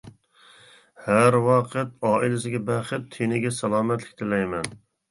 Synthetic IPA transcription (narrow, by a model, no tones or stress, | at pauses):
hæɾwɑqʰət̪̚ɑːilɪsɪɡʲɛbæχɪt̪ʰːinɪɡʲɛsɛlˠɑːmɛt̪lɪkʲt̪ʰɪlɛjmɛn